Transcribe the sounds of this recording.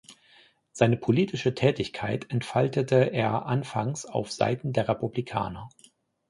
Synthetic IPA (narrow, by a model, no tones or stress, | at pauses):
z̥aɪnəpʰoliːtʰɪʃətʰɛːtɪçkʰaɪtʰɛntfaltətʰəʔeːɐʔanfaŋsa̰ʊfz̥a̰ɪtn̩deːɐʁepublikʰa̰ːnɐ